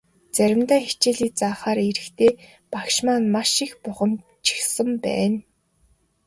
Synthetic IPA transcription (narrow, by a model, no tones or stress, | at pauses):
t͡sæɾʲɪ̆mt̪æːxi̥t͡ɕeːɮiːk̚t͡saːχaːɾeɾɘ̆xt̪ʰeː | pakʃmaːnmaʃixpʊχə̆m | t͡ɕʰi̥xsə̆mpæ̰ːn